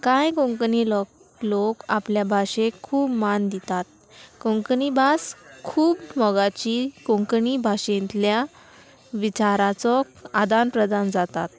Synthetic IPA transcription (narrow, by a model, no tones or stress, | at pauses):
kãjkõŋknilɔ | lokapljabʱaɕekʰuːbmand̪it̪at̪̚ | kɔ̃ŋknibʱaskʰuːbmɔɡat͡ɕiːkõŋkənibʱaɕẽnt̪lja | ʋit͡ɕaɾat͡sɔ | ad̪anpɾəd̪and͡zat̪at̪̚